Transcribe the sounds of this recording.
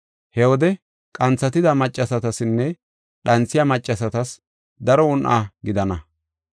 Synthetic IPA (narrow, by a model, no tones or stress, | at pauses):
hɛwɔd̪ɛ | kʼɐnt͡sːɐt̪ɪd̪ɐmɐt͡ʃʼːɐsɐt̪ɐsɪnːɛ | ɗɐnt͡sːɪjamɐt͡ʃʼːɐsɐt̪ɐs | d̪ɐɾɔʊnʔa̰ːɡɪd̪ɐnɐ